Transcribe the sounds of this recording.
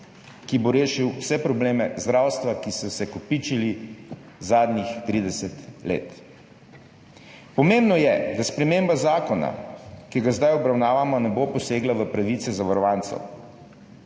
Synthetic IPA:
kiboɾeːʃiwwsɛpɾɔbleːmɛzd̪ɾaːwst̪ʋakisɔsɛkɔpit͡ʃili | zaːd̪nixt̪ɾiːd̪ɛsɛt̪lḛːt̪ | pɔmẽmbnɔjɛd̪aspɾɛmeːmbazaːkɔna̰kiɡazd̪ajɔbɾawnaːʋamɔnɛbopɔseːɡlaʋəpɾaʋit̪sɛzaʋaɾɔʋaːnt̪sɛ̰w

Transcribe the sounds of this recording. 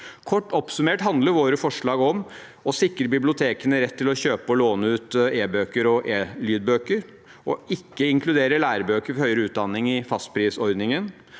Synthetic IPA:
kʰɔʈːɔpsʉmeːʈhɑnd̪ləɾʋoːɾəfɔʂɭɑːɡɔm | ɔsɪkɾəɾbɪblɪʊt̪ʰeːkənəɾɛt̪ʰːɪlɔçøːpəɔloːnəʉːt̪eːbøːkəɾɔʔeːlyːd̪̚bøːkəɾ | ʔɔʔɪkːəɪŋkʰlʉd̪eːɾəɭæːɾəbøːkəɾfɔɾhœʏɾəʉːt̪̚d̪ɑnːɪŋɪfɑst̪̚pʰɾiːsɔɾd̪nɪŋən

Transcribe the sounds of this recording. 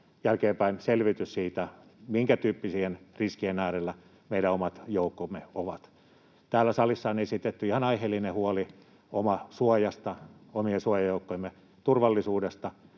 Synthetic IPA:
jælkeːmpæinselʋit̪yssiːt̪æmiŋkæt̪yːpːisiːhenriskienæːrelːæ | meiɾæomɑt̪joukːomːeoʋɑt̪ | t̪æːlːˑæsɑlisːɑonesit̪et̪ːyihɑnɑihelːinehuoli | omɑsuojɑst̪ɑomiesuojɑjoukːoemːe | t̪urʋɑlːisuːdest̪ɑ

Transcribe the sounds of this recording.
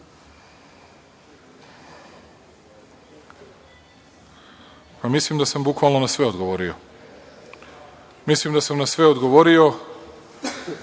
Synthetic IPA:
pamislimd̪asambukʋaːlˠno̞nasʋe̞o̞d̪ɡoʋo̞ɾio̞ | mislimd̪asamnasʋe̞od̪ɡo̞ʋo̞ɾio̞

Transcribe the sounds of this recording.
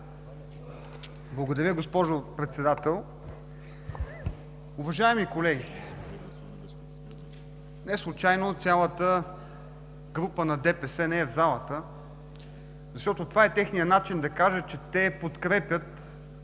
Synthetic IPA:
blˠɐɡod̪ɐɾʲəɡospɔʒopɾɛt̪sɛd̪at̪ɛlˠ | ʊvɐʒaɛmikolɛɡʲi | nɛslˠʊt͡ʃajnot̪sʲjalˠət̪ə | ɡɾupənɐd̪ɛpɛsɛnɛɛvzalˠət̪ə | zɐʃt̪ɔt̪ot̪ovaɛt̪ɛxnijənat͡ʃind̪ɐkaʒət͡ʃɛt̪ɛpot̪kɾɛpʲjət̪

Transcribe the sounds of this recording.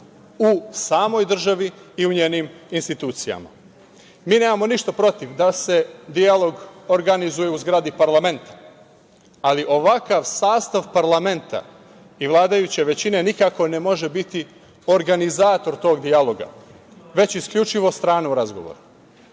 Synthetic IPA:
usaːmo̞jd̪r̩ʒaʋiːuɲeːniminst̪it̪uːt̪sija̰ma̰ | miːneːmamo̞niʃt̪apɾo̞t̪iʋd̪ase̞d̪ialˠo̞ɡo̞ɾɡanizuje̞uzɡɾaːd̪ipaɾlˠame̞nt̪ḁ | aliʔo̞ʋakaʋsaːst̪aʋpaɾlˠame̞nt̪ʰa̰ | iʋlˠaːd̪ajut͡ɕeʋe̞t͡ɕine̞nikako̞ne̞mo̞ʒe̞bit̪i | o̞ɾɡanizaːt̪o̞ɾt̪o̞ːɡd̪ialˠo̞ɡa̰ | ʋe̞t͡ɕiskʎʲut͡ʃiʋo̞st̪ɾaːneuɾazɡo̞̰ʋo̰ɾu

